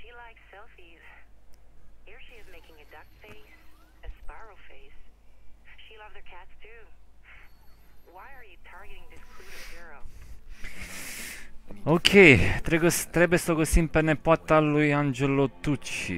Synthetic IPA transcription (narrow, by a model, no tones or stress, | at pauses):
ʃilaɪksɛlˠfiz̥ | hiɹʃiɨzmeɪkɪ̃ŋɨdʌk̚feɪs | ɨspaɪɹl̩ˠfeɪs | ʃilʌvə˞kʰætstʰʉ | waɪə˞jɨtʰɑɹɡɨɾɪ̃ŋðɪskʰl̥uɾɨvhɪɹoʊ | okʰet̪ɾɛɡost̪ɾɛbɛsoɡosimpɛnɛpɔt̪ːalujãnd͡ʒelot̪ut͡ʃːḭ